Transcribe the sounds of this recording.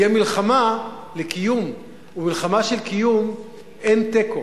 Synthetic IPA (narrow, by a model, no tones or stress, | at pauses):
jemilχamalekijum | umilχamaʃelkijum | ʔent̪eko